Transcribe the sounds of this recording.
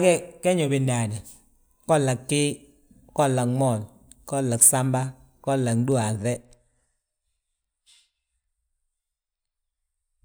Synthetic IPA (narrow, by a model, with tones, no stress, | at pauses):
kɛ˦kɛ˦ɲo˨bɪ˨nda˨nɛ˨ | kɔ˦la˨kːɪ˦ | kɔ˦la˨ŋmɔ˨l | kɔ˦la˨ksa˦mba˦ | kɔ˦la˨ŋdu˦a˨ðɛ˦